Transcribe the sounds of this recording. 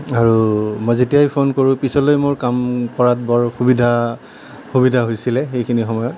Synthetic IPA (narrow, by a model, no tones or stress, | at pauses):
aɹumɔjzitijajpʰonkoɹũpisɔlojmoɹkamkɔɹat̚bɔɹxubidʱa | xubidʱaɦojsilɛxejkʰinixɔmɔjɔt̚